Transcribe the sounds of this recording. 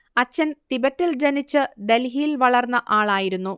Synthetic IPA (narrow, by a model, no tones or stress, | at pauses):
ɐt͡ɕːɐnt̪ibɐtːild͡ʑɐnit͡ɕːɨd̪elɦilʋɐɭɐrnːɐʔaːɭaːjiɾunːu